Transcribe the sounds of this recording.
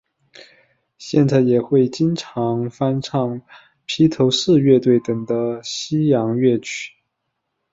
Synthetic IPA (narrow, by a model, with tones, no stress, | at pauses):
ɕjɛ̰˥˧nt͡sa˥˩ɪjɛ˨˩xwe˥˩ɪt͡ɕi˥nʈ͡ʂʰɑ˧˥ŋfa˥nʈ͡ʂʰɑ˥˩ŋ | pʰi˥t̪ʰo˧˥ʊʂɹ̩˥˧ɥɛ˥˧t̪we˥˩ɪt̪ɤ˨˩ŋd̪ə˦ɕi˥jɑ˧˥ŋɥɛ˥˩t͡ɕʰy̥˨˩˦